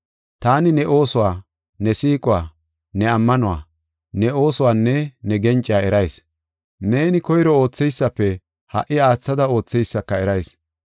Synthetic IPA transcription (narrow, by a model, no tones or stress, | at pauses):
t̪aːnɪnɛʔo̞ːsʊwaː | nɛsiːkʼʊwaː | nɛɐmːɐnʊwa̰ː | nɛo̞ːsʊwaːnːɛnɛɡɛnt͡ʃʼɪjaːɛɾɐjs | ne̞ːnɪkɔjɾɔo̞ːt͡sːɛjsːɐpːɛ | hɐ̰ʔɪaːt͡sːɐd̪ɐo̞ːt͡sːɛjsːɐkːɐɛɾɐjs